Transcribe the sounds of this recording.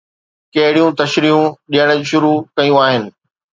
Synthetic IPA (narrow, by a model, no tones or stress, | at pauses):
kɐɦɪɽijũt̪ɐʃɾiːɦũɗijəɽ̃ə̆d͡ʑʃʊɾukɐijũaːɦɪnɪ̆